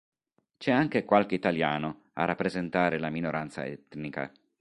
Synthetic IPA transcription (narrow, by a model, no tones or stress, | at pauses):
t͡ʃɛaŋk̟ekwalk̟eit̪aljaːno | a̰rapːɾezent̪aːɾelaminoɾant̪sa̰ɛ̰t̪nika̰